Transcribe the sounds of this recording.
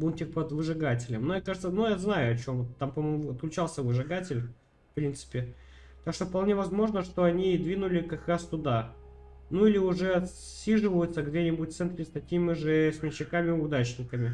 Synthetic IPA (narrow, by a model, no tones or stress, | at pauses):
bunʲtʲɪkpəd̪vɨʐɨɡatʲɪlʲəmnumjʲekaʐɨt̪sənujaznajʊɐt͡ɕo̞mvt̪ːampɐmoɐt̪klʲʉt͡ɕalˠsʲəvɨʐɨɡatʲɪlʲ | fpɾʲint̪sɨ̥pʲɪ | t̪akʂt̪ofpɐlˠnʲe̞vɐzmo̞ʐnəʂt̪oɐnʲid̪vʲinʊlʲɪkɐkɾast̪ʊd̪a | nuilʲɪʊʐɛɐt̪sʲːiʐɨvəjʊt̪səɡdʲenʲɪbʊtʲt̪sɛnt̪ɾʲɪst̪ɐkʲimʲɪʐɨsʲmʲɪt͡ɕːɪkamʲɪʊd̪at͡ɕnʲɪkəmʲɪ